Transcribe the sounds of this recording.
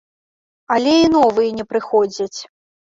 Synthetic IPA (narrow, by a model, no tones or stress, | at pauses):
alʲɛinɔvɨjɛnʲɛpɾɨxɔd͡zʲɐt͡sʲ